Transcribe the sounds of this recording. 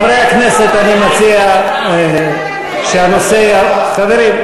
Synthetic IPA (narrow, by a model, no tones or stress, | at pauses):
vɾeakneset̪animot͡sia | ʃeanoseaxaðeɾim